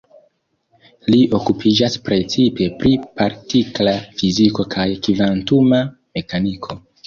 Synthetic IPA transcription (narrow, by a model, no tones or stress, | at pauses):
liʔo̞kupʰid͡ʒaspɾe̞t͡sipe̞pɾipaɾtiklafiziko̞kʰajkivantumame̞kanikʰo̞